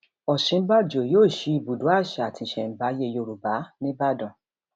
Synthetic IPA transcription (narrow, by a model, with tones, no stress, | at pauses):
ɔ˨ʃĩ˨˦ba˦d͡ʒo˨joː˦˨ʃi˧˦i˧˨bu˨dũ˨˦a˦˨ʃa˨tʰi˧˨ʃɛ̃˨m̩˨ba˨˦je˧jo˧˨ɾu˨ba˨˦nĩ˦ba˦dɔ̃˨